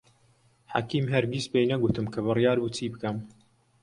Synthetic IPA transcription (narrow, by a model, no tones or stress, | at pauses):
ħa̰kiːmɦɐɾɡiːspejnɐɡut̪ɨmkʰɐβɨrjaːɾbuːt͡sʰiːbɨkɐm